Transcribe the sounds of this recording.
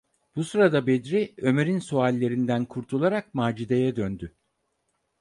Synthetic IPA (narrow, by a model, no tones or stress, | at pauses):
b̥usɯɾad̪abed̪ɾiø̞me̞ɾinsualʲːe̞ɾind̪ænkʰuɾt̪ʰulˠaɾakmaːd͡ʒid̪e̞jɛd̪ønd̪y